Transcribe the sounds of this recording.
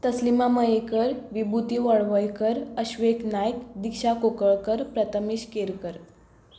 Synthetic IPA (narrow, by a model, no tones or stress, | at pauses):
t̪əslimaməjekəɾʋibut̪iʋəɭʋəjkəɾəɕʋeknajkd̪ikɕakokəɭkəɾpɾət̪ʰəmiɕkeɾkəɾ